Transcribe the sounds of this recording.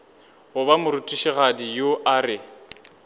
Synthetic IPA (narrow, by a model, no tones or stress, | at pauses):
ʊbamʊɾutʼiʃiɣadijoʔarɪ